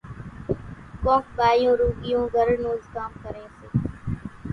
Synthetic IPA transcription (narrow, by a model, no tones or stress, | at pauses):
kõːkɓaːjõːɾuːɡɪjõːɡʱəɾnoːzkaːmkəɾẽːseː